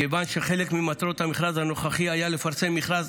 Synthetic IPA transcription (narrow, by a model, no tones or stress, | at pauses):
kevanʃeχe̞lekmimat̪ʁo̞t̪hamiχʁazhano̞χaχiajale̞faʁt͡se̞mːiχʁaz